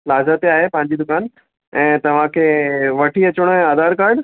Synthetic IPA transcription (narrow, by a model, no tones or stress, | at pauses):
laːzat̪eaːɦepɐ̃ɦɪ̃ɲd͡ʑid̪ʊkaːn | ɛ̃ːt̪ɐʋ̤ãkʰeːʋɐʈʰiɐt͡ɕʊɽ̃ʊɦɛ̃aːd̪aːɾkaːɾɖ